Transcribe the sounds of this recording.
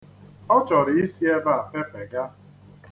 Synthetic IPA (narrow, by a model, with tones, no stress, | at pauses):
ɔ˦t͡ʃɔ˨ɾɪ˨i˦si˦e˦ba˦a˨fe˦fe˨ɡa˦